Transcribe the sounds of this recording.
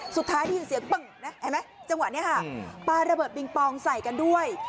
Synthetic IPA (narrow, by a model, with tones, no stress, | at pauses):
su˨˩t̪ʰːaː˦˥jdʰi˧˩si˨˩˦ɐk͡pɤ˨˩ŋna˦˥ʔa˧˩jma˦˥jt͡ɕa˧ŋwa˨˩ni˦˥ɐ˨kʰa˥˩paː˧ɾa˧bɤː˨˩t̪̚bi˧ŋpɔː˧ŋsa˨˩jka˧ndu˥˩əj